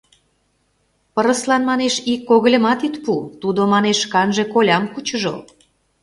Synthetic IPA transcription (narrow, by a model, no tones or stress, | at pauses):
pəɾəslɑnmɑneʃikːoɣəlʲə̆mɑt̪it̪put̪ud̪omɑneʃkɑnʒe̽kolʲɑmkut͡ɕəʒo̰